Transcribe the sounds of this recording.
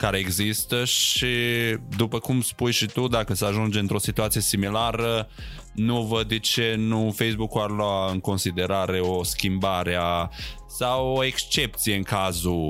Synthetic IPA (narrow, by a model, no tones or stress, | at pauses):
kaɾe̞eɡzist̪əʃid̪upəkumspujʃit̪ud̪akəsəaʒund͡ʒeɨnt̪ɾo̞sit̪uat̪sijesimilaɾə | nuvəd̪ːet͡ʃe̞nufe̞js̬bukuarloaɨŋko̞nsid̪e̞ɾaɾe̞o̞skʲimbaɾea | sawoe̞kst͡ʃe̞p̚t̪sije̞ɨŋkazu